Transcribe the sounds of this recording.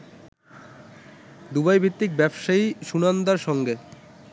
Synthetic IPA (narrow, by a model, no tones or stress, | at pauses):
d̪ubajbit̪ːik̚bɛbʃaiʃunand̪aɾʃɔŋɡe